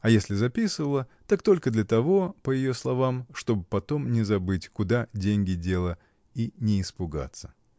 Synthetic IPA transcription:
ɐjesʲlʲɪzɐpʲisɨvəlˠət̪akt̪o̞lʲkəd̪lʲət̪ɐvo̞pəjɪjoslˠɐvamʂt̪o̞bɨpɐt̪o̞mnʲɪzɐbɨtʲkʊd̪adʲenʲɡʲɪdʲe̞lˠə | inʲɪɪspʊɡa̰t̪sə̥

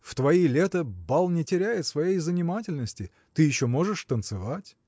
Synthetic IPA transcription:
ft̪vɐilʲet̪əbalˠnʲɪtʲɪɾʲæjɪt̪svɐjejzənʲɪmatʲɪlʲnəsʲtʲɪ | t̪ɨjɪɕːomo̞ʐɨʂt̪ənt̪sɨvatʲ

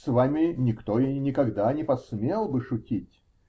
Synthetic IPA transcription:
svamʲɪnʲɪkt̪oɪnʲɪkɐɡd̪anʲɪpɐsmʲelˠbɨʂʊtʲitʲ

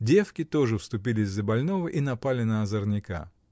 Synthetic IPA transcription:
dʲe̞fkʲɪt̪o̞ʐɨfst̪ʊp̬ʲilʲɪzʲːəbɐlʲno̞vəʔinɐpalʲɪnɐɐzərnʲɪka̰

